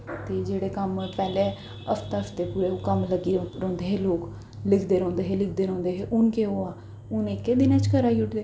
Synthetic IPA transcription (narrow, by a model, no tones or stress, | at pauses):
t̪eːd͡ʒeːɽeːkəmpɛːleː | əft̪aəft̪eːpuːɾeːoːkəmləɡiɾɔ̃ːnd̪eːɦeːloːk | lɪkʰd̪eːɾɔ̃ːnd̪eːɦeːlɪkʰd̪eːɾɔ̃ːnd̪eːɦeːʔʊnkeːoːaː | ʊnɪkːeːd̪ɪnãt͡ʃkəɾaːiʊʈʰd̪eː